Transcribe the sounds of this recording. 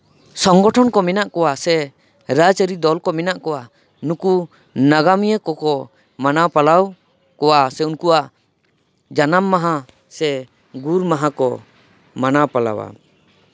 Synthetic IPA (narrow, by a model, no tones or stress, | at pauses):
sɔŋɡɔʈʰɔnkɔmɛnaʔkɔwasɛ | ɾat͡ʃəɾid̪ɔlkɔmɛnaʔkɔwa | nuku | naɡamijəkɔkɔ | manapalaw | kɔwasɛunkuaʔ | d͡ʒanamːaɦa | sɛ | ɡuɾmaɦakɔ | manapala̰wa̰